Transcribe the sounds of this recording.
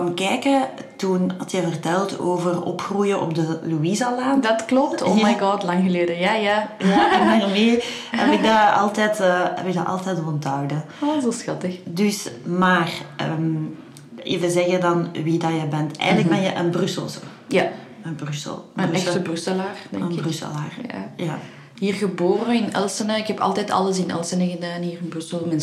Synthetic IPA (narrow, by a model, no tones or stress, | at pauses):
ɔmkɛːkə | tunɑtjəvərtɛlˠtoːvərɔ̰pxrujəʔɔ̰b̚dəluizalaːdɑtklɔp̚tʰoːmajɡɑtlɑŋɣəleːdəjaːjaːjjaɛnarmeː | ɦɛ̰pɪɡ̚daɑ̰lˠtɛːtːɦɛ̰pɪɡ̚da̰ʔɑ̰lˠtɛːtmɔntœwdə | zosxɑtəxdʏsmaːrə̰m | ɪvəzɛɣədɑnʋidɑjəbɛntɛ̰ːɣənlək̚bɛnjəʔənbrʏsə̰lˠzo̰ | ja | ənbrʏsə̰lˠənɛsxtəbrysəlaːrdɛənbrysə̰laːrjaja | ɦiːrɣəboːɾəɪnɛ̰lˠsənəɪkɛpɑ̰lˠtɛːtɑ̰lˠəsɪnɛ̰lˠsənəɣədaːnɦiːrɪnbrysəlˠmɛn